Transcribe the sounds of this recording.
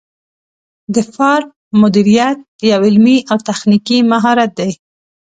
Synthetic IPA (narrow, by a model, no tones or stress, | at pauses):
d̪əfɑɾ | mʊd̪iɾijat̪̚jawɪlmiʔawt̪axnikimaɦɑɾat̪̚d̪aj